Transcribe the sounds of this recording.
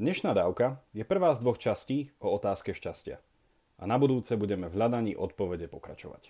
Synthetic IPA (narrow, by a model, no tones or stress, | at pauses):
d̪ɲɛʃnaːd̪aːʊkajɛpr̩ʋaːzd̪ʋɔxt͡ʃasciːʔɔɔt̪aːskɛʃcascɪa̰ | ʔanabud̪uːt͡sɛbuɟɛmɛvɦʎad̪aɲiːʔɔt̪̚pɔʋɛɟɛpɔkɾa̰t͡ʃɔʋa̰c